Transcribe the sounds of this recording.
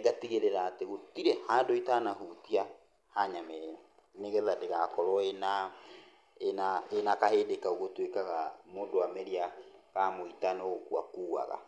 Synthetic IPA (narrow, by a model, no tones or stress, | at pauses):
ɡatiɣeɾeɾaːteɣotiɾehaːndoitanaɦutia | haɲamɛ | neɣɛðadeɣakɔɾɔena | enaenakaheːdekaoɣotwekaɣamoːdoamɛɾiaɣamoitanokwa̰kuːa̰ɣa̰